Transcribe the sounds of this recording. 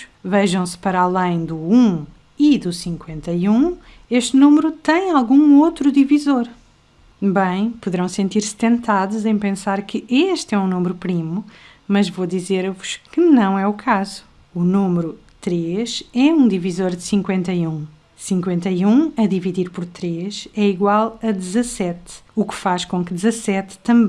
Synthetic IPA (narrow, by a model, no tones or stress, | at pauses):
vɛʒɐ̃w̃spɐɾalˠɐ̃j̃d̪uũ | iðusĩŋkwẽnt̪ɐjũ | eʃt̪numɨɾut̪ɐ̃j̃alˠɣũot̪ɾuðivizoɾ | bɐ̃j̃puðɨɾɐ̃w̃sẽnt̪iɾst̪ẽnt̪aðuzɐ̃j̃pẽsaɾkʰɨʔeʃt̪ɛũnumɾupɾimu | mɐʒvod̪izeɾvuʃkɨnɐ̃w̃ɛukʰazu̥ | unumɨɾu | t̪ɾeʃɛũd̪ivizoɾd̪ɨsĩŋkwẽnt̪ɐjũ | sĩŋkwẽnt̪ɐjũɐðiviðiɾpɔɾt̪ɾeʃɛiɣwalˠɐd̪ɨzɐsɛt̪ukfaʃkõkɨd̪ɨzɐsɛt̪ːɐ̃mb̃